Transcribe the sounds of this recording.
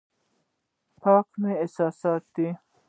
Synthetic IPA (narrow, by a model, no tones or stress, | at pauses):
pʰɑːkmeesɑːsɑːt̪̚d̪i